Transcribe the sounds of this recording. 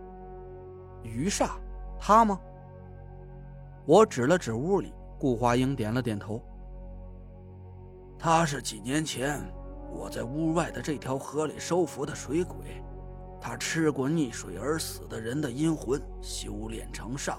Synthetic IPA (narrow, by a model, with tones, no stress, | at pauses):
y˧˥ʂa˥˩t̪ʰa˥mɐ˧ | wɔ˧˥ʈ͡ʂɻ̩˨˩lə˦ʈ͡ʂɻ̩˨˩u˥˩lḭ˨˩˦ | ku˥˩xwa˥i˥ŋt̪jɛ˨˩nlə˦t̪jɛ˨˩nt̪ʰo˧˥ʊ | t̪ʰa˥ʂ̬ɻ̩˥˩t͡ɕi˨˩njɛ˧˥nt͡ɕʰjɛ˧˥n | wɔ̰˨˩t͡sa˥˧ɪu˥wa˥˩ɪd̪ə˩ʈ͡ʂɤ˥˩t̪ʰjɑ˧˥ʊxɤ˧˥lḭ˨˩ʂo˥ʊfu˧˥d̪ə˨ʂwe˧˥ɪkwe˨˩˦ɪ | t̪ʰa˥ʈ͡ʂʰɻ̩˥kwɔ˥˧ni˥˩ʂwe˨˩ɪə˞˧˥sɹ̩˨˩d̪ə˦ɻə˧˥nd̪ə˧i˥nxwə˧˥n | ɕi˧˥u˧˥ljɛ̰˨˩nʈ͡ʂʰɤ˧˥ŋʂɑ̰˥˩ŋ